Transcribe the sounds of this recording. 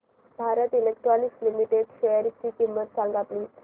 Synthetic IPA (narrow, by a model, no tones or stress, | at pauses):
bʱaɾət̪ilekʈɾɔnikslimiʈeɖɕejəɾit͡ɕiːkimːət̪saŋɡat̪liː